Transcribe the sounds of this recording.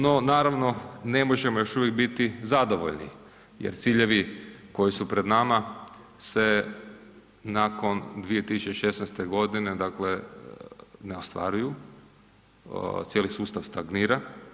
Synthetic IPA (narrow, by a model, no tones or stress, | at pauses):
no̞naːɾaʋno̞ne̞moʒe̞mojo̞ʃuʋjekbit̪izad̪o̞ʋo̰ʎnḭ | jḛɾt̪siːʎe̞ʋiko̞jisupɾe̞d̪nama | se̞ | nako̞nd̪ʋije̞t̪isut͡ʃeʃe̞snɛst̪e̞ɡo̞d̪ine̞d̪akle | neost̪ʋa̰ɾuju | t̪sjelisuːst̪aʋst̪aɡniːɾa